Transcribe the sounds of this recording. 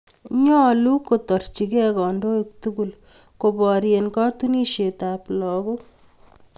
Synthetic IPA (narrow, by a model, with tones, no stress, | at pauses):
ɲɔ˦˨lu˦ko˨tɔ˨rt͡ʃi˨kɛ˦kɔ˨ndo˦ik̚tu˦ɡu˨l | ko˨bɔɾje˨nkɔ˦tu˦ni˦ʃe˨ta˨plɔ˨ɡo˦k